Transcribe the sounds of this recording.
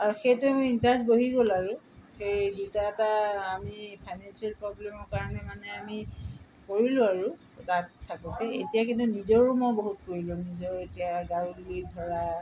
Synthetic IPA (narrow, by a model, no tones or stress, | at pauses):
aɹuxejtʊmojintazboɦiɡolaɹʊ | xejdutaɛtaːmipʰajnansialpɹɔblɛmɔɹkaɹɔnɛmanɛami | koɹilʊ̃aɹu | tattʰːakɔtɛḛtijak̬intunizɔɹumɔboɦutkoɹilʊ̃nizɔɹetijaɡaɹudulidʱɔɹa